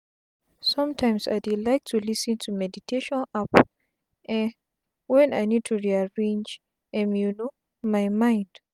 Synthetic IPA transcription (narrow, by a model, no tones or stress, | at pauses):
sʌ̃mtʰãɪ̃msa̰ɪdilaɪk̚tʰulisɨ̃ntʰumɛditʰeʃɔ̃nap | ɛ̃ | wɛ̃naɪnid̚tʰuɹiaɹẽnd͡ʒ | ɛ̃mjuno | maɪmãɪ̃nd̥